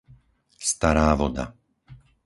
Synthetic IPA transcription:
st̪aɾaːʋɔd̪a̰

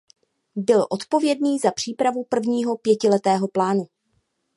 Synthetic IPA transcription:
bɪlʔo̞t̪po̞vjɛdniːzapr̝̥iːpɾavupr̩vɲiːɦo̞pjɛcɪlɛt̪ɛːɦo̞plaːnu

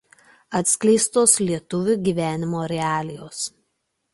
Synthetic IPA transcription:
ɐt̪ʲsʲkʲlʲɛɪst̪oːslʲiɛt̪ʊʋʲʊɡʲiːʋʲæːnʲɪmoːɾʲɛɑːlʲɪjoːs

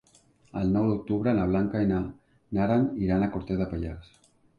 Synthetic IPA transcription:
a̰lnowðok̚t̪uβɾanaβ̞laŋkaena | naɾaniɾanakoɾt̪eðapaʎas

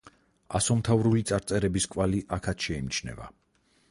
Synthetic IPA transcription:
asɔmt̪ʰavɾulit̪sʼaɾt̪sʼɛɾɛbiskʼvaliʔakʰat̪ʃɛimit͡ʃʰnɛ̰va̰

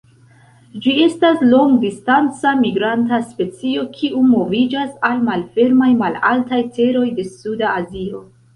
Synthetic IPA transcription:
d͡ʒie̞staslo̞ŋɡdistant͡samiɡɾantaspe̞t͡sio̞kʰiʔumo̞vid͡ʒasalmalfe̞ɾmajmalaltajte̞ɾo̞jde̞sudaːzio̞

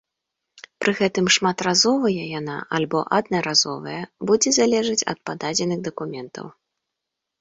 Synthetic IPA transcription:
pɾɨɣɛt̪ɨmʂmat̪razɔvɐjɐjana̰ʔalʲbɔʔad̪̚nɐɾazɔ̰vɐ̰jɐbud͡zʲɛzalʲɛʐɨt͡sʲɐ̰t̪̚pad̪ad͡zʲɛnɨɣd̪ɐkumʲɛnt̪ɐ̰w

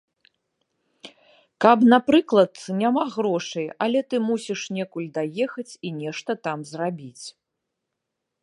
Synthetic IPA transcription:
kɐpnapɾɨklˠɐt̪nʲamaɣɾɔʂɨjɐlʲɛt̪ɨmusʲiʂnʲɛkulʲd̪ajɛxɐt͡sʲinʲɛʂt̪ɐt̪amzrabʲit͡sʲ

